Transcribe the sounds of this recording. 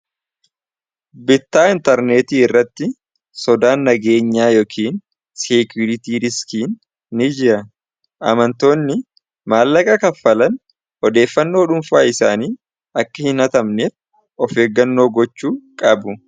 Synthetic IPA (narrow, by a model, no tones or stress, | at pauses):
bɪt̪ːaːɪnt̪ɐɾneːt̪iːɪrːɐt̪ːɪ | sɔd̪aːnːɐɡe̞ːɲːaːjoːkʰiːn | sekjʊɾɪt̪iːɾɪskiːnː | ɪd͡ʒɪɾɐ | ʔɐ̰mɐnt̪o̞ːnːɪ | maːlːɐkʼɐkɐfːɐlɐn | ʔɔd̪e̞ːfːɐnːo̞ːᶑʊmfaːɪsa̰ːniː | ɐkːɐhɪnɐt̪ɐmneː | ɔfeːɡːɐnːo̞ːɡɔt͡ʃːuːkʼɐbʊ